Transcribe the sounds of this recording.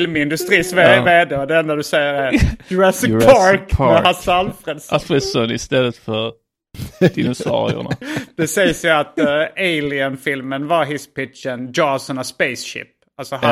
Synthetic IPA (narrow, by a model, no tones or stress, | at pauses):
lmɪnd̪ɵst̪ɾiːsveːd̪ɛɔd̪ɛɛnd̪ad̪ɵsɛjːəɾæɾjʊɾɛsɪpʰɑɾkmɛhasalfɾɛd̪safɾɛsɔnɪ̰st̪ɛlːət̪fœɾ | d̪̥ɪnʊsɑ̰ːɾɪʊ̰na̰d̪̥ɛsɛjsjʊat̪eɪlɪənfɪlmənvɑɾɦɪspɪtt͡ʃəndɑsɔnaspɛɪsɕɪ̰p | alsɔɦ